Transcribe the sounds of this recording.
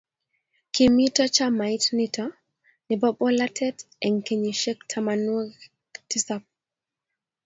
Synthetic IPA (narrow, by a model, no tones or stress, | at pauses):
kimitɔt͡ʃamajtnitʰɔ | nibɔɓɔlatʰɛt | ɛŋkeɲiʃɛk̚tʰamanwɔ | tisap̚